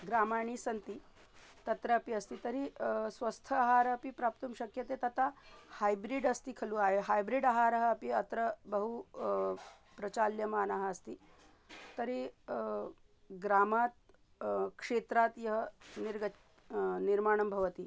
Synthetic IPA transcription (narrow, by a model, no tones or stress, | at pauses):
ɡɾaːmaɳ̃iːsɐnt̪iː | t̪ɐt̪ɾɐɐpiɐst̪iːt̪ɐɾisʋɐst̪ʰəːɦaɾɐpipɾap̚t̪uːmɕɐkjɐt̪et̪ɐt̪ahajbɾiɖɐst̪iːkʰɐluːaɦeɦajbɾiɖɐɦaɾɐɦəːpiɐt̪ɾəbɐɦu | pɾɐt͡ɕaljɐmaːnaɦəːst̪iː | t̪ɐɾi | ɡɾaːmat̪ | kʂet̪ɾat̪jɐɦəniɾɡə | niɾmaːɳ̃ɐmbʱɐʋət̪i